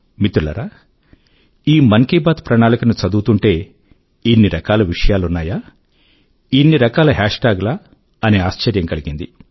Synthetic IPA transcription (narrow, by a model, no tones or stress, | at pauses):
mit̪ulɐ̰ɾaː | iːmɐŋkiːbaːt̪pɾɐɳaːlikɐnut͡ʃɐd̪uːt̪uɳʈe̞ː | inːiɾɐkaːlɐʋiʂɐjaːlunːaːjaː | inːiɾɐkaːlɐɦaːʂʈaːɡla | ɐneːaːʃt͡ʃɐɾjɐŋkɐliɡind̪i